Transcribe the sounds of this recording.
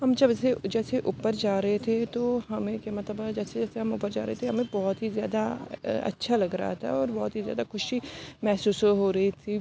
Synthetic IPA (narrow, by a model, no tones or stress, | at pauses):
ɦɐmd͡ʒɐbɛsed͡ʒɛːseʔʊpəɾd͡ʒaːɾɐɦet̪ʰet̪oɦɐmẽkemɐt̪ləbd͡ʒɛːsed͡ʒɛːseɦɐmʊpəɾd͡ʒa̰ːɾɐɦet̪ʰeɦɐmẽbɔːɔt̪ɦizja̰ːd̪aɐ̰tːʃʰalɐɡɾa̰ɦa̰t̪ʰa̰ɔːɾbɔːt̪ɦizja̰ːd̪axʊʃimɛːsuːsɦoːɾɐɦit̪ʰi